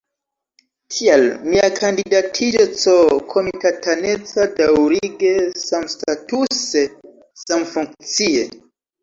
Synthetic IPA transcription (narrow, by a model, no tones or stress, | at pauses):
kʰialmiakʰandidatʰid͡ʒot͡sokʰo̞mitatane̞t͡sadawɾiɡe̞samstatuse | samfuŋkt͡sie